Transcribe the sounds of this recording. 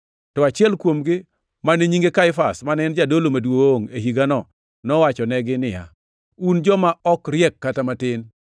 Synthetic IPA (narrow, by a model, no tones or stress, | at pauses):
tɔat͡ʃɪɛlkwomɡɪ | maneɲiŋɡekaɪfasmanɛnd͡ʒadolomadwooŋeɦiɡanɔ | nɔwat͡ʃɔnɛɡɪnɪja̰ | und͡ʒɔmaɔkɾjɛkːatamatɪn